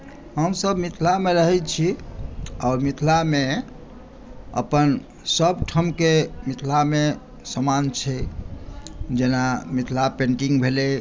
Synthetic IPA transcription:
ɦəmsəbmit̪ʰlameɾəɦɛt̪̚t͡ʃʰi | aʊɾmit̪ʰlame | ə̰pən | səbʈʰəmkemit̪ʰlame | səmant͡ʃʰɛ | d͡ʒenamit̪ʰlapeɳʈiŋɡbʱelɛ

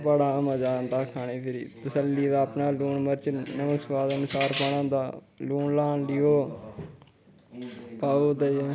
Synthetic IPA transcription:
pəɽaːməd͡ʒaːnd̪aːkʰaːɳeːpʰɪɾiːt̪əsəlːiːd̪aːəpnaːluːnməɾt͡ʃnəməksʋaːd̪nʊsaːɾpəɽãːd̪aː | luːɳlaːnlɪjoː | paːoːt̪ə

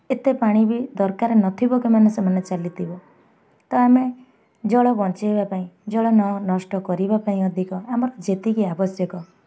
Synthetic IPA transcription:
et̪epaɽ̃ibid̪ɔɾkaɾenɔt̪ʰibɔkumanesɔmanet͡ʃalit̪ʰibɔ | t̪ɔame | d͡ʒɔɭɔbɔnt͡ʃiebapaĩd͡ʒɔɭɔnɔnɔsʈɔkɔɾibapaĩɔd̪ʱikɔamɔɾɔd͡ʒet̪ikiabɔsjɔkɔ

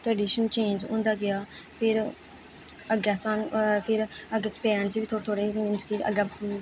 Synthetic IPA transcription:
ʈɾɛːɖiːʃənt͡ʃẽːnd͡ʒʊ̰̃ːnd̪aːɡɪjaːpʰɪɾ | əɡɛːstaːnpʰɪɾəɡspeːɾə̃nt͡ʃiʋiːt̪ʰoːt̪ʰoːɽeːmɪnskiːə̰ɡ

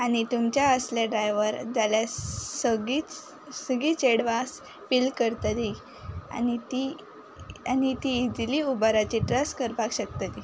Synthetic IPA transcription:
añit̪umt͡ɕjaəsljaɖɾajʋəɾd͡zaljasəɡit͡s | səɡiːt͡seɽʋas | filkəɾt̪at̪i | a̰nit̪i | anit̪iːd͡ziliubaɾat͡ɕiʈɾəskəɾpakɕək̚t̪at̪i

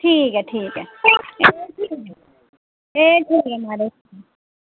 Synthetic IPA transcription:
ʈʰiːkɦɛʈʰiːkɦɛeʈʰiːkː | eːʈʰiːkɦɛmaːɾes

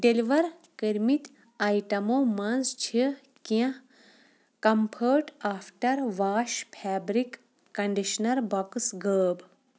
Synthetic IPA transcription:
ɖeliʋɐɾ | kiɾmit̪ | ajʈɐmoːmɐnzt͡ʃʰi | kiã | kɐmpʰəːʈaːpʰʈɐɾʋaːʃpʰɛːbɾikː | ɐɳɖiʃnɐɾbɐksɡəːb

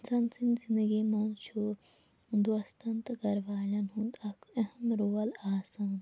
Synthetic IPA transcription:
sɐnsinzĩnd̪əɡimoːnt͡ʃʰo | nd̪uɐst̪ɐnt̪ɡɐɾʋaːlɐnɦũnd̪ɐkʰeɦɐmɾoːɐlaːsaːn

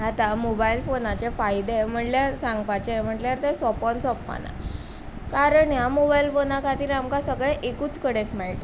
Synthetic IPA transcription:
ɦat̪amobajilfonat͡ɕefajd̪em̤əʈljaɾsãŋɡpat͡ɕem̤əʈljaɾt̪esɔpɔnsɔpːa̰na̰ | kaɾəɳjamobailfonakʰat̪iːɾamkasəɡɭɛʔekuːt͡skəɽẽkmɛɭt̪a

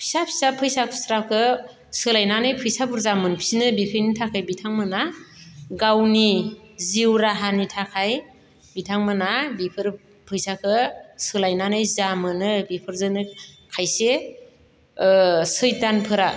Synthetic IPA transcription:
pʰi̥sapʰi̥sapʰɯjsakʰɯ̥sɾakʰɯ | sɯlajnanɯjpʰɯjsabuɾzamɯnpʰisinɯbikʰɯjnitʰakʰajbitʰaŋmɯna | ɡawniziwɾaɦanitʰakʰaj | bitʰaŋmɯnabipʰɯɾ | pʰɯjsakʰɯsɯlajnanɯjzamɯnɯbipʰɯɾzɯnɯkʰajse | sɯjtanpʰɯɾa

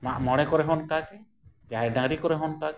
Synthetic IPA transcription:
maʔmɔɽ̃ɛkɔɾɛɦɔnkakɛ | d͡ʒaɛɾɖaŋɾikɔɾɛɦɔnkakɛ

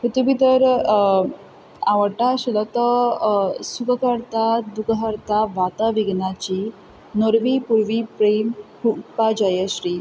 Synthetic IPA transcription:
kut̪ubit̪əɾ | aʋəʈaɕələt̪ə | sukəkəɾt̪ad̪ukəɦəɾt̪aʋat̪aʋiɡnat͡ɕi | noɾʋipuɾʋipɾemhupad͡ʑajəɕɾiː

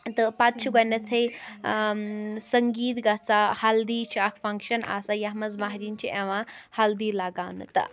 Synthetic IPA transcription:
t̪ɐpat̪̚t͡ʃʰuɡɐnɐt̪ʰɐj | sɐŋɡiːt̪ɡɐt͡sahald̪it͡ʃʰiakʰpʰɐŋkʃɐna̰ːsajaɦmɐzmaɦɾint͡ʃʰiʔeʋãhald̪iːlaɡawnɨ̰t̪ɐ̰

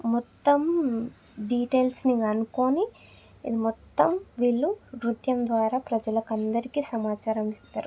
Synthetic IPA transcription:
mɔt̪ːɐm | ɖiːʈeːlsniɡɐnukoːni | ḭd̪imɔt̪ːɐmʋiːɭːuʋɾut̪jɐmd̪ʋaːɾaːpɾɐd͡ʒɐlɐkɐnd̪ɐɾikiːsɐmaːt͡ʃaːɾɐmist̪a̰ːɾu

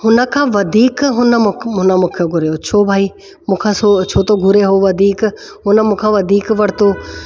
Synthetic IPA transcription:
ɦʊnə̆kʰãːʋɐd̪ʱiːkɦʊnəmʊʊnəmʊkʰjoɡʱʊɾeɦot͡ʃʰoːbʱaːiː | mũːkʰãːsot͡ʃʰoːt̪oɡʱʊɾeɦoʋɐd̪ʱiːk | ɦʊnəmũːkʰãːʋɐd̪ʱiːkʋɐɽ̤t̪oː

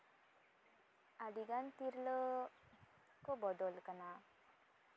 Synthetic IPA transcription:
adiɡant̪iɾlə | kɔbɔd̪ɔlkana

